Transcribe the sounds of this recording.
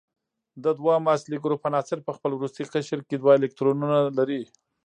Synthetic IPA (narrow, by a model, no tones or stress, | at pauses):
d̪əd̪wɑmɑsliɡuɾopanɑsɪɾpəxpəlwɾust̪iqəʃɾked̪wɑelɪk̚t̪ɾonunalaɾi